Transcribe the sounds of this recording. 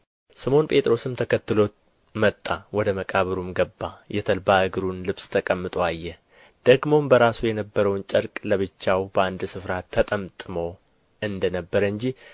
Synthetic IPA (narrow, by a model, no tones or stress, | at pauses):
sɨmo̞npʼe̞t̪ʼɾo̞sɨmt̪ʰəkʰət̪ːɨlo̞t̪ | mət̪ʼːawɔd̪əməkʼaβəɾumɡəbːajɛt̪ʰəlbaʔɨɡɨɾunlɨβst̪ʰəkʼəmːɨt̪ʼoajːɛ | d̪̥əɡmo̞mbəɾasujɛnəbːəɾəwnt͡ʃʼəɾkʼləβɨt͡ʃːawbəand̪sɨfɾat̪ʰːət̪ʼəmt̪ʼɨmo | ɨnd̪ənəbːəɾəɨɲd͡ʒi